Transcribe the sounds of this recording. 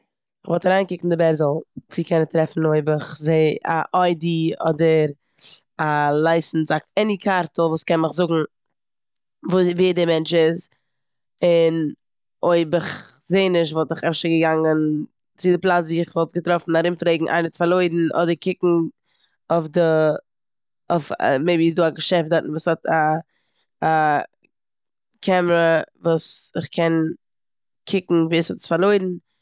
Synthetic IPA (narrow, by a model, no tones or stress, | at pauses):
ɪχvɔlˠtaɾaɪnkɪkn̩dɪbɛɾzl̩ˠt͡sikɛnətɾɛfn̩oɪbəχzeɪa̰ʔaɪdiɔ̰dəɾ | alˠaɪsn̩zak̚ɛnikʰaɾtl̩ˠvuːskɛnmɪχzʊɡŋ̩ | vviːdɪmɛnt͡ʃɪz | ɪn | oɪbɪχ | zeɪnɪʃ̬tvɔlˠtɪχɛfʃəɡəɡaŋən | t͡sɪdɪplˠat͡sdiːɪχvɔlˠt̚ɡətɾɔfn̩aɾɪmfɾeɪɡŋ̩ʔa̰ɪnətfaɾlˠoɪdn̩ʔɔ̰dəɾkɪkŋ̩ | ofdə | ʊfmeɪbisduːaɡəʃɛft̚dɔtn̩vuːshɔtʰa | a | kʰɛməɾəvuːsɪχkʰɛn | kʰɪkŋ̩viːshɔtə̥sfaɾlˠoɪdn̩